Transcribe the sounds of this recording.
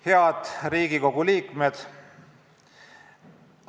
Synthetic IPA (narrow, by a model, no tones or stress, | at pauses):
heɑd̪̥ɾiːɡ̥iko̞ɡ̥uliːkmed̪̥